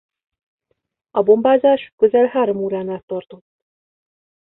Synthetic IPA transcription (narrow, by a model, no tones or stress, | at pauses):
ɒbombaːzaːʃkøzɛlɦaːɾomuːɾaːnat̪ːɒrt̪ot̪ː